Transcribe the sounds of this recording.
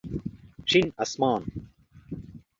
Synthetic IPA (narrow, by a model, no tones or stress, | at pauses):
ʂinɐsmaːn